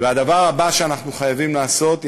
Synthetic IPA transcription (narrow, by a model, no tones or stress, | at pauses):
vead̪avaʁabaʃeanaχnuχajavimlaːso̞t̪